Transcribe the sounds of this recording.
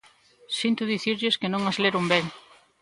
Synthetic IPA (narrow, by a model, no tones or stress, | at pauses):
sint̪ʊðiθiɾʎɪskɪnõŋazleɾumbeŋ